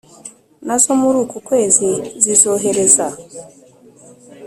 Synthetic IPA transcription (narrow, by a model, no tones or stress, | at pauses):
nazo̞muɾuːkukwe̞ːzizizo̞ɦe̞ɾe̞za